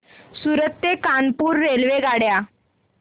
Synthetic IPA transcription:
suɾət̪ːjekanpuːɾːelʋeɡaɽja

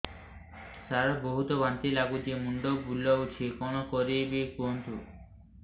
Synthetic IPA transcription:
t̪aɾboɦut̪ɔbant̪ilaɡud̪iemuɳɖobulːɔɦut͡ʃʰekɔnokɔɾibikuɦont̪u

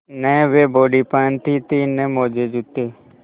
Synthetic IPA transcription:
nəʋeboɖipant̪it̪inẽmod͡ʒed͡ʒut̪ːe

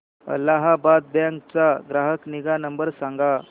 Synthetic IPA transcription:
ə̰lːaɦabad̪̚bjãŋk̚t͡saɡɾaɦəkniɡanəmbəɾsãŋɡa

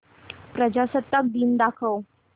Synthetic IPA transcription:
pɾəd͡ʑasət̪ːak̚d̪iːnd̪akʰəw

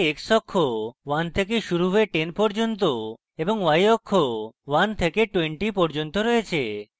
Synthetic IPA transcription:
eksɔkʰːowant̪ʰek̬eʃuɾuɦoeʈenpɔɾd͡ʒont̪o | eboŋwajɔkʰːowant̪ʰekeʈweɳʈipɔɾd͡ʒont̪oɾɔet͡ɕʰe

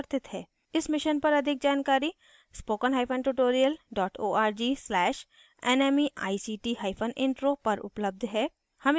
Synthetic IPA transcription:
ɾt̪ɪt̪ɦɛː | ɪsmɪʃənpɐɾɐd̪ʱɪk̚d͡ʒaːnkaːɾi | spoːkənɦaːɪpʰənʈuʈoːɾijəlɖɔːʈoːaːɾd͡ʒiːslɛːʃ | ɛːnɛːmiʔa̰ːisiːʈiɦaːɪpʰənɪ̃ɳʈɾopɐɾʔʊ̰pləb̚d̪ʱɦɛː | hɐm

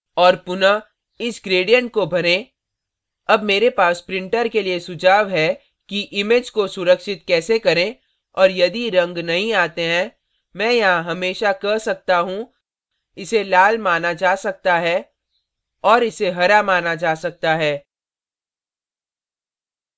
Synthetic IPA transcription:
ɔːɾpʊna | ɪsɡɾeːɖijə̃ɳʈ̚kobʱɐɾẽ | ɐbmeːɾepaːspɾɪ̃ɳʈəɾkeliesʊd͡ʒʱaːʋɦɛ | kiʔɪmeːd͡ʒkosʊɾəkʃɪt̪kɛːsekɐɾẽ | ɔːɾjɐd̪iɾɐ̃ŋɡnɐɦĩaːt̪eɦɛ̃ | mɛ̃ːjɐɦãɦɐmeːʃakɐɾsɐk̚t̪aɦũ | ɪselaːlmaːnad͡ʒaːsɐk̚t̪aɦɛː | ɔːɾɪseɦɐɾamaːnad͡ʒaːsɐk̚t̪aɦɛː

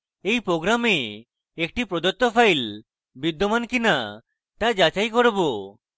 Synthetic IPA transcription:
ejpɾoɡɾame | ek̚ʈipɾod̪ot̪ːopʰajl | bid̪ːomankina | t̪ad͡ʒat͡ʃajkɔɾɔbo

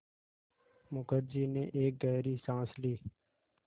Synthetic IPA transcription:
mʊkəɾd͡ʒiːnḛ̃ːʔeːk̚ɡɛːɾiːsãːsliː

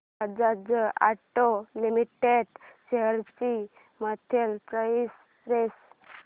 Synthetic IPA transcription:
ad͡zad͡zəa̰ʈolimiʈeɖɕeɦəɾt͡ɕi | mat̪ʰelpɾəis | ɾes

